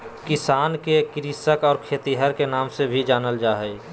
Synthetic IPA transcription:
kɪsaːnkekɪɾisəkɔːɾkʰeːt̪iɦəɾkenaːmsebʱid͡ʒaːnəld͡ʒaːɦəi

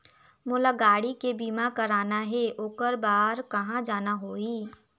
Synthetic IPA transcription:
mʊːlaɡaːɽikebiːmakɐɾaːnaɦɛʔoːkəɾbaːɾkɐɦãd͡ʒaːnaɦoːiː

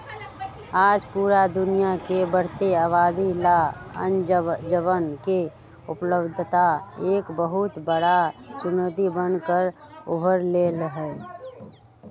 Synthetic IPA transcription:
aːd͡ʒpuːɾad̪ʊnijakebəɾ̤t̪eaːβaːd̪ilaə̰nd͡ʒəbənke | ʊpləbd̪ʱt̪aeːkbəɦʊt̪bəɽat͡ʃʊnot̪̬ibənkəɾ | ʊ̰bʱəɾlelɦɛː

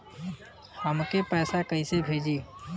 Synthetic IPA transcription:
həmkepɛːsakəĩsebʱeːd͡ʒiː

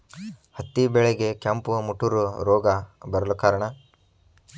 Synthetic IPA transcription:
hɐt̪ːibɛɭeɡe̞kɐmpumuʈːuɾuɾoːɡɐbɐɾɐlukaːɾɐɳɐ

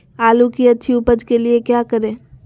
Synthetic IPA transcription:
aːlukiɐtːʃʰiʊpəd͡ʒkeliekjaːkɐɾẽː

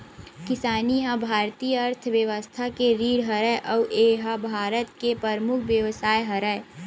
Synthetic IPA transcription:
kɪsaːniɦabʱaːɾt̪iːəɐɾt̪ʰʋjəʋəst̪ʰakeɾiːɽɦɐɾəjʔɔːʔeːɦabʱaːɾət̪̚kepəɾmʊkʰʋjəʋsaːjɦɐɾəj

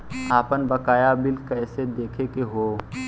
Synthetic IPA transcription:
aːpənbɐkaːjabɪlkɛːsed̪eːkʰekeɦoː

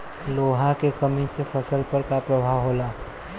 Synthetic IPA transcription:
loːɦakekəmisefʰɐsəlpəɾkapɾɐbʱaːʋɦoːlaː

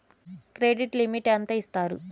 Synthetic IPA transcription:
kɾeːɖiʈlimiʈent̪ɐist̪aːɾṵ

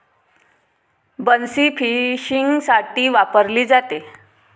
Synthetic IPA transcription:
bənsiːfʰiɕiŋɡsaʈiːʋapəɾliːd͡zat̪e

